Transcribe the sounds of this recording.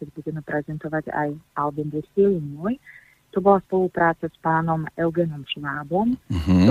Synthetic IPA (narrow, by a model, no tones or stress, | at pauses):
kɛɟbuɟɛmɛpɾɛzɛnt̪ɔʋaɟa̰jalbimd̪iilinɔj | t̪ɔbɔlaspɔlupɾaːt͡saspaːnɔmɛlɡɛnɔmʃnaːbɔmɦ